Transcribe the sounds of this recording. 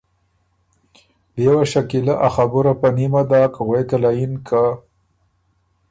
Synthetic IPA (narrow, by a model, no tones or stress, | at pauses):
djwaʃakilaʔaxabuɾapanimad̪ɑːkɣwejt̪alajinkʰa